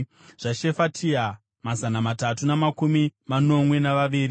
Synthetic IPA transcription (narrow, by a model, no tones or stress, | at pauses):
ʐ̥aʃe̞fatʰia | mazanamatatunamakumimano̞mwe̞naʋaʋiːɾi